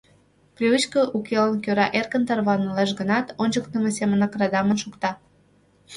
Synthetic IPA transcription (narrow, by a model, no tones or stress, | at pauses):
prʲiβɨt͡ɕkə̆ʔukelənkøɾɑʔerkənt̪ɑrβɑnəleʃ̬ɡənɑt̪onʲt͡ɕəkt̪əmesemənɑkrɑd̪ɑmənʃukt̪ɑ